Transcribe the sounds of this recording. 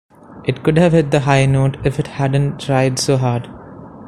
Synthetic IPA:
ʔɪʈkʊɖhæʋhɛɖ̪̚d̪əɦaɪnoːʈɪfɪʈhæɖə̃nʈʰːɾaɪɖsoːɦaːɖ

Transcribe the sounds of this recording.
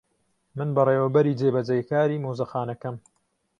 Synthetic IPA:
mɨnbɐreːwɐbɐɾiːd͡zeːbɐd͡ʒɐjkaːɾiːmoːzɐxaːnɐkɐm

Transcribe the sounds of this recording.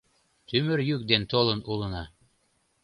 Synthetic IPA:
t̪ymɘɾjyk̚d̪ent̪olˠɤnulˠɤ̆nɑ

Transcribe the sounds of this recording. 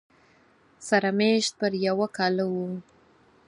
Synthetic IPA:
saɾameʃt̪̚pəɾjawakɑlawu

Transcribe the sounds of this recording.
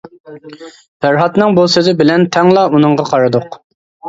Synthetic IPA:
bæɾɦɑt̪nɨŋbulˠsøzɪbɪlɛnt̪ʰɛŋlˠɑunɨŋʁɑqʰɑɾɨd̪ʊq

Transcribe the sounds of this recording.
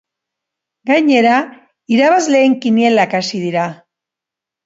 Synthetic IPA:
ɡajɲe̞ɾa | iɾaβazle̞ːŋkinielakasiðiɾa

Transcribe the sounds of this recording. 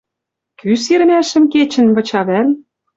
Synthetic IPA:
kysiɾ̆mæʃə̆mket͡ɕə̆nβɤ̆t͡ɕɑβæl

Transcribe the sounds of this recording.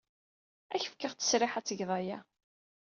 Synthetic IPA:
æçə̥fkəʁt͡sə̥sɾɪħæt͡sːəʝðˤɑjæ

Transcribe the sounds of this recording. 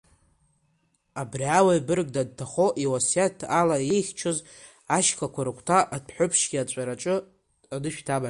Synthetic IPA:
abriawaibɨrɡ̚dad̚tʰaχo̞ʔiwasjatʰalaje̞jχʲt͡ʃʰɨz | aʃkʰakʷʰaɾɨkʷʰtʰaʔadʰħʷᶣʊpʰʂɡʲiat͡ʃʷʼaɾaʈ͡ʂʼɨ | anɨʃᶣtʰaba

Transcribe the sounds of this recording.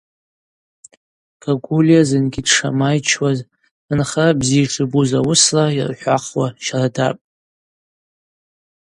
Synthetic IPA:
ɡ̥ʰaɡʷulijazɨnɡʲidʂa̰majt͡ʃʰwaz | ɨnχabzijʈ͡ʂʰɨbuzawʊslaḭrħʷᶣaχwaʃarada̰pʼ

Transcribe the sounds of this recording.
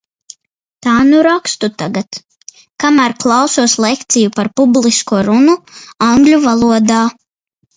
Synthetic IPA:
t̪aːnuɾakst̪ut̪aɡat̪ | kamæɾklˠɑwsuɔslekt̪sijupaɾpublˠiskuɔɾunuaŋɡlʲuvalˠuɔd̪aː

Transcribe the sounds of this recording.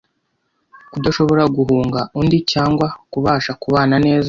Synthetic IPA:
kudaʃo̞βo̞ɾaɡuɦuːŋɡaʔundicaːŋɡwakuβaːʃakuβaːnane̞ːza

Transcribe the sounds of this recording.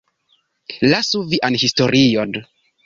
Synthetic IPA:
lasuviʔanhistoɾijod

